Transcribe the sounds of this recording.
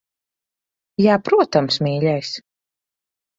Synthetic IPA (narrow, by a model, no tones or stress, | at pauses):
jaːpɾuɔt̪amsmʲiːlʲɛjs